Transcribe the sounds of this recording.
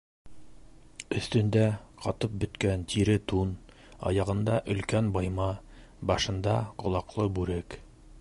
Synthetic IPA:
ɵ̆θt̪ɵ̆nd̪æqɑt̪ɤp̚bɵ̆t̪kænt̪ʰiɾɘt̪un | ɑ̰jɑʁɤ̆nd̪ɑʔɵ̆lkænbɑjmɑ | bɑʃɤ̆nd̪ɑqŏlˠɑqlˠɤbʉɾɘk

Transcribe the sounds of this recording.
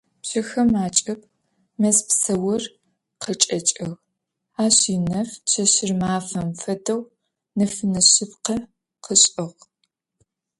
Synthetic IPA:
pɕɐxɐmaːt͡ʃʼɐp̚ | mɐspsɐwɐr | qʰət͡ʃʼɐt͡ʃʼɐɣ | aːɕiːnɐft͡ʃʰɐɕɪrmaːfɐmfɐdɐw | nɐfɨnɐɕɪpqɐ | qʰəɕʼɪʁ

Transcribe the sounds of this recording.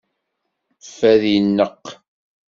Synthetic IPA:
fæðijənːəqː

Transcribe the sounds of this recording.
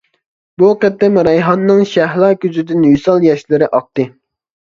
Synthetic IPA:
buqɛt̪̚ːɛmɾɛjɦɑnːɨŋʃæɦlˠɑːkʲyzɪd̪ɪnwisɑlˠjɛʃlɪɾɪʔɑq̚t̪ɨ

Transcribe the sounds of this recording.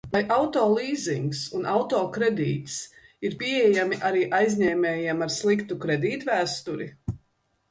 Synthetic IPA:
lajʔawt̪ɔːlˠiːziŋksunawt̪ɔːkɾɛd̪ḭːt̪s | iɾpʲiejamiʔaɾiːʔajzʲɲɛːmɛːjɛmaɾslˠikt̪ukɾɛd̪iːt̪væːst̪uɾḭ

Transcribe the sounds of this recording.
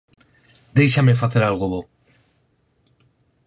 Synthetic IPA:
d̪e̞jʃamefaθeɾalɣoβo

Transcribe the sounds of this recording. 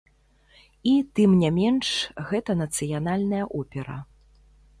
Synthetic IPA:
it̪ɨmnʲamʲɛnʂɣɛt̪ɐnɐt̪sɨjanalʲnɐjɐʔɔpʲɛɾɐ̰

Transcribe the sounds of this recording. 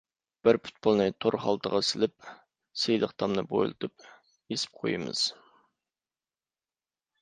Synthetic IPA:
b̥ɪɾpʰu̥t̪̚bolˠnɨt̪ʰoɾχɑlˠt̪ʰəʁɑsɪlɪp̚ | sejlˠəqt̪ʰɑmnɨbo̰jlˠɨt̪ʰɨp̚ | esɪ̥p̚qʰojɨmɨ̰z̥

